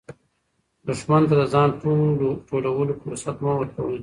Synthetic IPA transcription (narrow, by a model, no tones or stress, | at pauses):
d̪ʊʂmant̪ad̪əzɑnʈoloʈoɽawəlofosat̪mawəɾkawəl